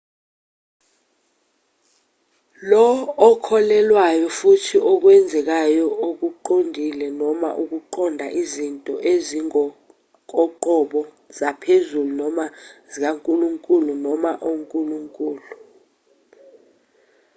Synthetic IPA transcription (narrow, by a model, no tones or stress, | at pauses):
lɔːkʰɔlɛlwajɔfutʰiʔɔk̬wɛnd͡zʱɛk̬ajɔʔok̬uǃondʱilɛnɔma̰ʔuk̬uǃʰɔndʱaʔizintʼɔʔeziŋɔ | k̬ʼɔǃɔɓɔ | zapʰezulunɔmazik̬aŋkʼuluŋkʼulunɔmaʔoŋkʼuluŋkʼuːlu